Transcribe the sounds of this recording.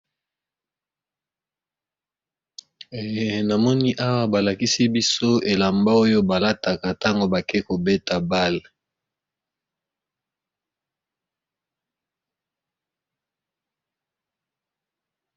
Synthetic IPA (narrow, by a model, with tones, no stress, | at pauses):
e˨je˨na˨mɔ˦ni˦ʔa˦wa˦ba˨la˨ki˦si˦bi˦so˦e˨la˨mba˦o˦jo˦ba˨la˦ta˨ka˨ta˦ŋɡo˨ba˨ke˦ko˨be˦ta˨ba˦l